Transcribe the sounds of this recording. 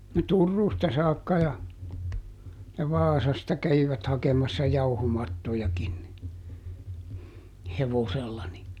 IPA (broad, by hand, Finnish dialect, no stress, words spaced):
no turːuːstɑ sɑːkːɑ jɑ jɑ ʋɑːsɑstɑ kæʋiʋæt hɑkemɑsːɑ jɑuhomɑtːojɑkin ni heʋoselːɑ ni